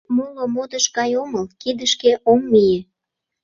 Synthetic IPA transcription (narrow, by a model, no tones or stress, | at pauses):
mulomod̪əʃkɑjoməlkid̪əʃkeʔomːije